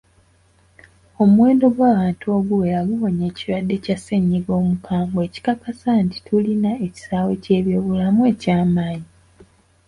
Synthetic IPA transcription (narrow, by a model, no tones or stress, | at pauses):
o̞muwe̞ːndo̞ɡwaːβaːntuo̞ɡuwejaɡuβo̞ɲe̞ːciɾwadːe̞caseɲːiɡo̞ːmukʰaːŋɡoe̞ːci̥kakasanti̥tʰulinae̞ci̥saːwe̞ce̞ːβjoːβulamue̞ːcaːmaːɲi